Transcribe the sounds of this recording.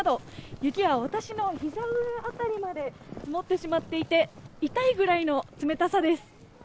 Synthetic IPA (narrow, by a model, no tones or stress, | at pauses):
ad̪o̞jɯ̟kʲiβaβat̪aɕino̞çizaɯat̪aɾʲimad̪e̞mot̪ːe̞ɕimat̪ːe̞it̪e̞it̪aiɡɯ̟ɾaino̞t͡sɨme̞t̪asad̪e̞sɨ̥